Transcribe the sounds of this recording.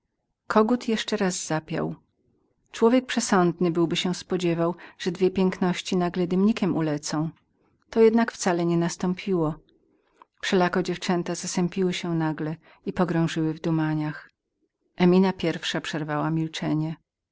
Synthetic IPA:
kʰɔɡut̪jɛʂt͡ʂɛɾaz̥ːapʲja̰w | t͡ʂwɔvʲjek̚pʂɛsɔnd̪nɘbɘwbɘɕɛ̃spɔd͡ʑɛvawʐ̥ɛd̪vʲjɛpʲjɛŋknɔɕt͡ɕinaɡlɛd̪ɘmɲikʲɛmulɛt̪sɔ̃w̃ | t̪ɔjɛd̪nakft̪salɛɲɛnast̪ɔmpʲʰiwɔ | fʂɛlakɔd͡ʑɛft͡ʂɛnt̪azasɛmpʲiwɘɕɛnaɡlɛ | ipɔɡɾɔ̃w̃ʐɘwɘvd̪umaɲax | ʔɛmʲinapʲjɛɾfʂapʂɛɾvawamʲilt͡ʂɛɲɛ

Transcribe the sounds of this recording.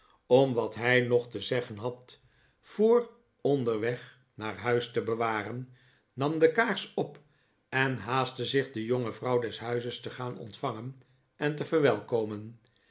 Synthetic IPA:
ɔmʋɑtɦɛjnɔχtəzɛχənɦɑt | fʊːr | ɔndəɹʋɛχ | naːɹɦœɥstəbəʋaːrənː | ɑmdəkaːɹsɔp | ɛnɦaːstəzɪχdəjoŋəvrɑwdɛsɦœɥzəstəχaːnɔ̰ntfɑŋən | ʔɛntəvərʋɛlˠkowmən

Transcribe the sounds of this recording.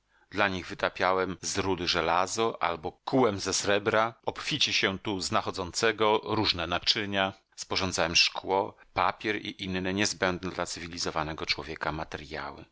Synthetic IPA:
d̪̥laɲiɣvɘt̪apʲjawɛmzɾud̪ɘʐɛlazɔʔa̰lbɔkuwɛmzɛsɾɛbɾaɔpfʲit͡ɕɛɕɛt̪uznaxɔd̪zɔnt̪sɛɡɔɾuʐnɛnat͡ʂɘɲa | spɔʐɔnd̪zawɛmʂkwɔpapʲjɛɾḭʔinːɛɲɛzbɛnd̪nɛd̪lat̪sɘvʲilʲizɔvanɛɡɔt͡ʂwɔvʲjɛkamat̪ɛɾja̰wɘ̰

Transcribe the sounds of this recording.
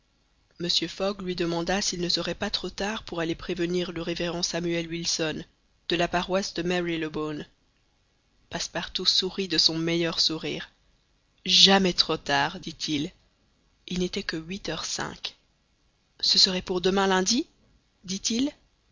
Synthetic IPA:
məsjøfɔɡlɥid̪əmɑ̃d̪asilnəsəʁɛpat̪χot̪aʁpuʁalepχevəniʁləʁeveʁɑ̃samyɛlwilsɔn | d̪̥əlapaʁwasd̪əmɛʁiləbon | paspaʁt̪usuʁid̪əsɔ̃mɛjœʁsuʁḭːʁ | ʒamɛt̪χot̪aːʁd̪it̪ʰil | ilnet̪ɛkəɥit̪œʁsɛ̰̃k | səsəʁɛpuʁd̪əmɛ̃lɛ̃d̪i | d̪it̪il

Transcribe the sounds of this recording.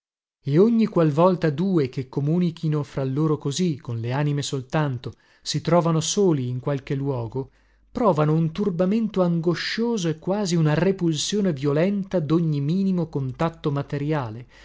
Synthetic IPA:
eoɲːikwalvɔlt̪ad̪uːekekːomuːnikʰinofɾalːoːɾokozikːonleaːnimesolt̪ant̪o | sit̪ɾɔːvanosoːliːŋkwalk̟elːwɔːɡo | pɾɔːvanount̪urbament̪oaŋɡoʃoːzoekːwaːziunarepulsjoːnevjolɛnt̪ad̪oɲːimiːnimokont̪at̪ːomat̪eɾjaːle

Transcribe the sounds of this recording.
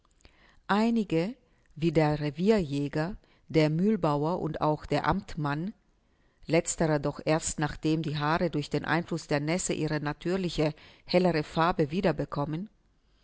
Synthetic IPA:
ʔaɪnɪɡə | viːdeːɐʁeviːɐjɛːɡɐ | d̥eːɐmyːlbaʊɐʔʊ̰nta̰ʊxd̥eːɐʔa̰mtman | lɛt͡stəʁɐdɔχʔeːɐstnaːχd̥eːmdiːɦaːʁədʊɐçd̥eːnʔa̰ɪnflʊsd̥eːɐnɛsəʔiːʁ̞ənatʰyːɐlɪçəhɛləʁəfaɐbəviːdɐbəkʰɔmən

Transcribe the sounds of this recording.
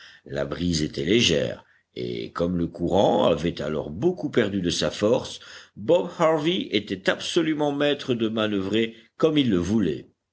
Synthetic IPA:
la̰bʁizet̪ɛleʒɛ̰ːʁ | ḛkɔmləkuʁɑ̃a̰vɛt̪a̰lɔ̰ʁbokupɛʁd̪yd̪əsafɔʁsbɔbhaʁviet̪ɛt̪absɔlymɑ̃mɛt̪χəd̪əmanəvʁekɔmilːəvulɛ̰

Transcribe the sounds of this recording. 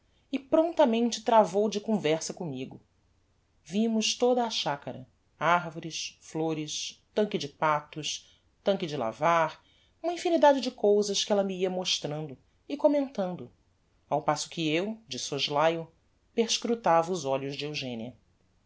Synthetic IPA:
ɪpɾõnt̪ɐmẽnt͡ʃɪt̪ɾavowd͡ʒɪkõvɛɾsɐkõmiɡʊ | vimʊʃt̪od̪ɐːʃakɐɾɐ̰ | aɾvoɾɪʃfloɾɪʃt̪ɐ̃ŋkɪd͡ʒɪpat̪ʊʃ | t̪ɐ̃ŋkɪd͡ʒɪla̰vaɾ | ũmɐĩfinid̪ad͡ʒɪd͡ʒɪkowzɐʃkɪɛlɐmiiɐmoʃt̪ɾɐ̃nd̪ʊ | ɪkomẽnt̪ɐ̃nd̪ʊ | awpasʊ̥kʰɪewd͡ʒɪsoʒlajʊ | peɾʃkɾut̪avɐʊzɔʎʊzd͡ʒɪewʒḛ̃niɐ

